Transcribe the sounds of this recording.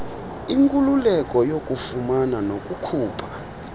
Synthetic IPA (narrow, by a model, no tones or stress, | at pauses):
iŋkʼululɛkʼɔjokʼufumananokʼukʰuːpʰḁ